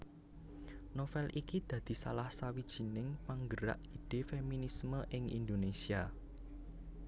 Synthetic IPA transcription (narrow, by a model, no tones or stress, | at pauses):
nofɛlʔikid̪̥ä̤d̪̥i̤sa̰lahsawid̥ʒ̥i̤nɪŋpaŋɡəɾa̰ʔiɖ̥e̤feminisməʔɪŋḭnd̪onesia